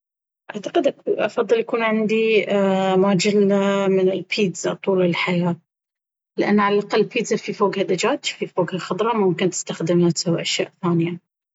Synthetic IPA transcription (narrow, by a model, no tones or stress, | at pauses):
ʔaʕt̪aqɪd̪ʔakʔɑfɑðˤːɨljakuːnʕɪnd̪i | maːd͡ʒɪlːamɪnɪlpʰiːt̪z̥a̰t̪ˤuːlɪlħajaːt̪̚ | lɪʔanːʕalalʔaqɑlːpiːt̪zafifoːɡhad̪ad͡ʒaːt̪fifoːɡhaxɑd̪ˤɾˤɑmʊmkɪnt̪ɪ̥st̪axd̪ɪmnat̪sawʔaʃja̰ːʔθaːnɪja